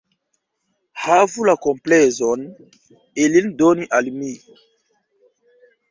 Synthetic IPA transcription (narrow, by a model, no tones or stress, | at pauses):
havulakɔmplɛzɔn | elindoniʔalimi